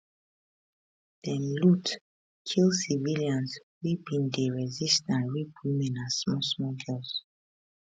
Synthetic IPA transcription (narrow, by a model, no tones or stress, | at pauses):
d̥ɛnlut | kʰilsiviliãnswibĩndeɹɛzistãnɹipwimɛ̃nasmɔsmɔɡɜls